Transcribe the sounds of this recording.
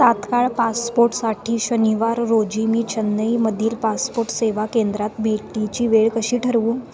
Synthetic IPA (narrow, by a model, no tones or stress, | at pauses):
at̪kaɭpaspoɾʈsaʈʰiːɕəniʋaɾːod͡ʑimiːt͡ɕənːəjməd̪ʱiːlpaspoɾʈseʋakend̪ɾat̪bʱeʈit͡ɕiːʋeɭkəɕiːʈʰəɾʋuːn